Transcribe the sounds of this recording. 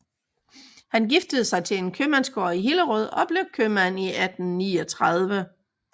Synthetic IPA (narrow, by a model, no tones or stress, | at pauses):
hænɡ̥ifd̥əð̞̩ˠsɑ̈ɪt͡sʰe̝e̝nkʰømænsɡ̥oɐ̰iɦiləʁɔð̞̰ˠɒ̽b̥le̝ʊkʰømæniʔæd̥n̩niːɒt͡sʰʁɑð̞ˠʋə